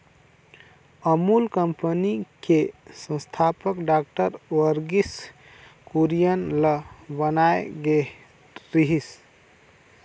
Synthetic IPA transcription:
əmulkəmpənikesə̃st̪ʰapəkɖak̚ʈəɾwəɾɡis | kuɾijənləbənaeɡe | ɾiɦis

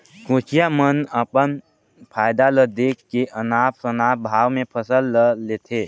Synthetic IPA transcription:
kõːt͡ʃijamənəpən | pʰaːjd̪aləd̪eːkʰːeʔənaːp̚sənaːbʱaːʋmẽpʰəsəlːəːeːt̪ʰeː

